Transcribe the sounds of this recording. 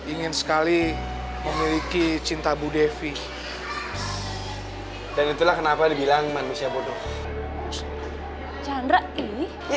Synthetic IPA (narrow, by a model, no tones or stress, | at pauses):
iŋɪnsə̥kali | məmilikit͡ʃint̪abudefi | danit̪ulahkənapadibilaŋmanusiabodɔ | t͡ʃandɾaʔi